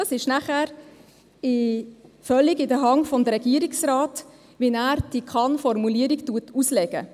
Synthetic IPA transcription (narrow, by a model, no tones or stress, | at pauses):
dɑsɪʃnæχæɾ | ɪfœlːiɡɪdəɦɑŋfɔmd̪əɾɛɡ̥iəɾiksrɑːt | ʋinæːɾd̥ikʰɑnfɔɾmuliəɾiɡtuətʰuslɛɡ̥ə̰